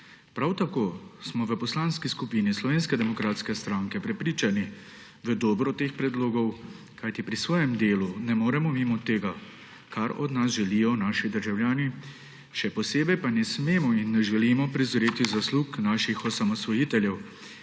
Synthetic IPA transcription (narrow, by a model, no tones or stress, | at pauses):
pɾawt̪akoːsmɔʋəpɔslaːnskiskupinislɔʋeːnskɛd̪ɛmɔkɾaːt̪skɛst̪ɾaːŋkɛpɾɛpɾiːt͡ʃani | ʋəd̪ɔːbɾɔt̪eːxpɾɛd̪loːɡɔw | kajt̪ipɾisʋɔːjɛmd̪eːlunɛmoːɾɛmɔmiːmɔt̪ːeːɡa | kaɾɔ̰d̪nas̬ʒɛlijɔnaːʃid̪əɾʒawljaːni | ʃɛpɔseːbɛjpanɛsmeːmɔinːɛʒɛlimɔpɾizɔɾeːt̪izasluknaːʃixɔsamɔsʋɔjiːt̪ɛljɛw